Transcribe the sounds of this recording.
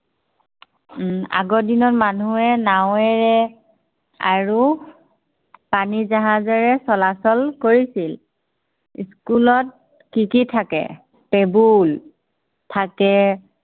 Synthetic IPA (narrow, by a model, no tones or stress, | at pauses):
a̰ɡɔdinɔtmanuɛnaw̃ɛɹɛ | a̰ɹu | panizaɦãzɛɹɛsɔlasɔlkoɹisil | iskulɔt̚ | kikitʰakɛ̰ | pebul | tʰakɛ